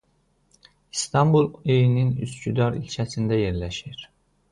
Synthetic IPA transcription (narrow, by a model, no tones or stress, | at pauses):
ist̪ʰɑmbulˠejininyscyd̪ɑɾḭlʲcʰæsind̪æje̞ɾlæʃiɾ̥